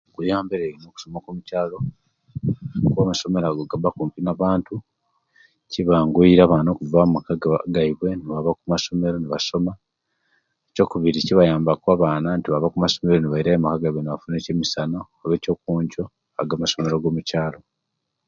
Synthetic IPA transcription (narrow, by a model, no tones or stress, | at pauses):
kujaːmbeɾeɾino̞ːku̥somakumucaːlo̞ | kwaːmaso̞me̞ɾaɡoɡabakuːmpinaβaːntu | ciβaːŋɡuiɾaβanoːkuvamakaɡaβɡaiβwe̞niβaβakumaso̞me̞ɾo̞niβaso̞ma | eco̞ːkuβiɾiciβajaːmbakwaːβaːnantiβaβakumaso̞me̞ɾoniβaiɾaemakaɡaiβweniβafunecemisanoːβe̞ːco̞ːkuːɲɟo̞ | a̰ɡaːmaso̞me̞ɾoɡo̞ːmucaːlo̞